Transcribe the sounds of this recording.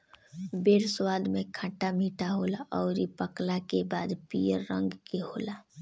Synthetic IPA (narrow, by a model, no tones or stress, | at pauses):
beːɾswaːd̪mẽkʰaʈamiːʈaɦolaʔɔːɾipəklakebaːd̪pijəɾːə̃ŋɡkeɦoːla